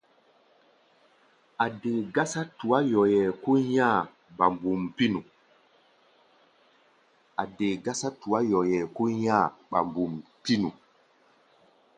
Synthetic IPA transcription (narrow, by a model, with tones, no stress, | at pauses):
a˨deː˨ɡa˦sa˦tu˨wa˦jɔ˨jɛ˨ku˦ɲa˦˨ | ba˨mbu˨mpi˦nu˨ | a˨deː˨ɡa˦sa˦tu˨wa˦jɔ˨jɛ˨ku˦ɲa˦˨ɓa̰˨mbu˨mpi˦nu˨